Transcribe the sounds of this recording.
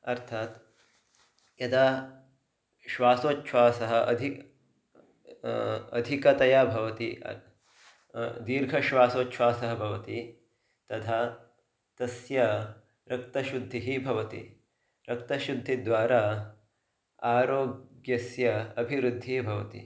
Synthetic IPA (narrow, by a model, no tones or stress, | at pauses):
ɐɾt̪ʰaːt̪ | jɐd̪aː | ʃʋaːsoːtːʃʋaːsɐɦɐ̆ʔɐ̰d̪ʱi | ɐ̰d̪ʱikɐt̪ɐjaːbʱɐʋɐt̪ḭ | d̪iːɾɡʱɐʃʋaːsoːtːʃʰʋaːsɐɦɐbʱɐʋɐt̪i | t̪ɐt̪ʰaː | t̪ɐsjɐ | ɾɐkt̪ɐʃud̪ʱːiɦibʱɐʋɐt̪ḭ | ɾɐk̚t̪ɐʃud̪ʱːid̪ʋaːɾaː | aːɾoːɡjɐsjɐɐbʱiʋɾud̪ʱːibʱɐʋɐt̪ḭ